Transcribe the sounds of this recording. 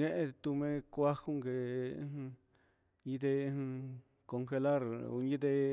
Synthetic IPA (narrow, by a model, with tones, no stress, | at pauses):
ɲẽ˦ʔẽ˧t̪u˧mẽ˧kʷa˦xu˦ŋɡẽ˧˨˧ | ɲĩ˧t̪ẽ˧ | ko˧ŋxe˧la˦ɾṵ˧ɲĩ˦t̪̬e˧